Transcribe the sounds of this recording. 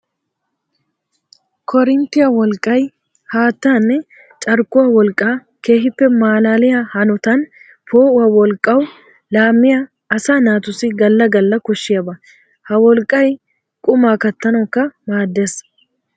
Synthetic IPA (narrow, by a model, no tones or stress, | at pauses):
kʰɔɾɪnt̪ːɪjɐwɔlkʼːɐj | haːt̪ːaːnːɛ | t͡ʃʼɐɾkːʊwɐwɔlkʼːaː | ke̞ːɦɪpːɛmaːlaːlɪjahɐnʊt̪ɐn | pʰoːʔʊwɐwɔlkʼːɐw | laːmːɪja | ɐsaːnaːt̪ʊsɪɡɐlːɐɡɐlːɐkɔʃːɪjɐbɐ | hɐwɔlkʼːɐj | kʼʊmaːkɐt̪ːɐnɐwkːɐmaːd̪ːeːs